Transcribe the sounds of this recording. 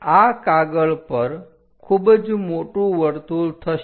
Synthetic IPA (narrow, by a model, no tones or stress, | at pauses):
akaɡəɭpəɾ | kʰuːbd͡zmoʈũʋəɾt̪uːlt̪ʰə